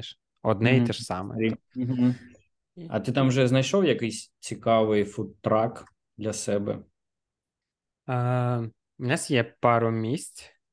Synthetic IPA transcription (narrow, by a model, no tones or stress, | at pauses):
ʃ | ɔd̪nɛit̪ɛʃsɑmɛ̰ | ɦ̩ | ɐ̰t̪ɪt̪ɑmʒɛznɐjʃɔwjɐkɪjsʲt͡sʲikɑʋɪjfut̪ːɾɑk | d̪lʲɐsɛbɛ̰ | nʲɑsjɛpɑɾʊmʲisʲt͡sʲ